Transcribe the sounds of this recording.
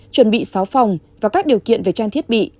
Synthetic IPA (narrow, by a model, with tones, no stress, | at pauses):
t͡ɕwə˨˧˩nɓḭ˧˨saː˨˦wfa˨˩wŋ͡mvaː˨˩kaː˦˥k̚ɗi˨˩əwkḭ˧˨ənve˨˩t͡ɕaː˧t̪ʰi˦˥ət̚ɓḭ˧˨